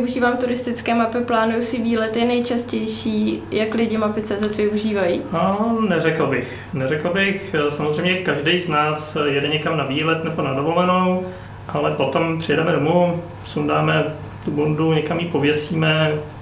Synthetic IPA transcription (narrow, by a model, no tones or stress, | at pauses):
uʒiːvaːmt̪uɾɪst̪ɪt͡skɛːmapɪplaːnujusɪviːlɛt̪jɛnɛjt͡ʃascɛjʃiːjaklɪɟɪmapɪt͡sɛːzɛt̪vɪuʒiːvajiːanɛrɛkl̩bɪx | nɛrɛkl̩bɪxsamozrɛjmɲɛkaʒdɛjznaːsjɛdɛɲɛkamnaviːlɛt̪nɛbonadovo̞lɛno̞w | ʔalɛpo̞t̪o̞mpr̝̥ɪjɛdɛmɛdomu | sundaːmɛ | t̪ubunduɲɛkamjiːpovjɛsiːmɛ